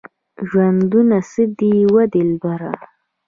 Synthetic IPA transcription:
ʒwand̪unasɨd̪iwad̪ilbaɾa̰

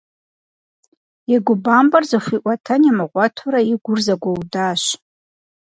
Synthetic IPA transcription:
aɡʷʊbambarzaχʷiʔʷʼatʰanamaqʷʼatʰuɾaiɡʷʊrzaɡʷawdaʃ

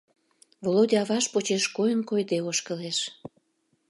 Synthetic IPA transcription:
volod̪ʲiɑβɑʃpot͡ɕeʃkojənkojd̪eoʃkəleʃ

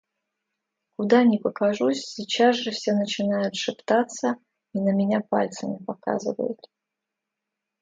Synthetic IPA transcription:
kʊd̪anʲɪpəkɐʐusʲsʲit͡ɕazʐɨfsʲenət͡ɕɪnajʊt̪ʂɨpt̪at̪sːə | inəmʲɪnʲapa̰lʲt̪səmʲɪpɐka̰zɨ̰və̰jʊ̰t̪

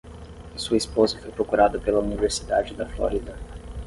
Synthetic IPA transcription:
suɐispozɐfojpɾokuɾad̪ɐpelɐuniveɾsid̪ad͡ʒɪd̪ɐflo̰ɾid̪ɐ

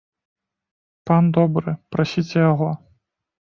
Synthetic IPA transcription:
pand̪ɔbɾɨpɾasʲit͡sʲɛjaɣɔ

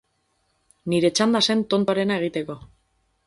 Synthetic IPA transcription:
niɾe̞t͡ʃand̪ase̞nt̪o̞nt̪oaɾe̞nae̞ɣ̞it̪e̞ko̞

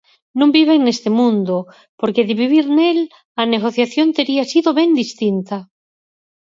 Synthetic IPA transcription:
nõmbiβeŋnest̪emũnd̪o | poɾkeðɪβiβ̞iɾnel | aneɣ̞oθjaθjont̪eɾiasiðoβɛŋd̪ist̪int̪a

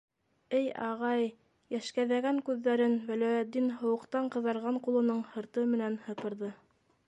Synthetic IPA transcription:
ɘjɑ̰ʁɑj | jæʃkæðæɡæŋkʉðːæɾɘnwælæjæt̪̚d̪ːinɦŏwɤ̆qt̪ɑɴqɤ̆ðɑɾʁɑɴqulˠɤ̆nɤɴhɤ̆ɾt̪ɤmɘ̆nænhɤ̆pɤ̆ɾðɤ

